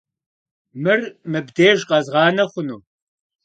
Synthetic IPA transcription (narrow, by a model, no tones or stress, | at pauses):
mɨrmɨbdeːʒqɐzʁɑːnɐχʷʊnuː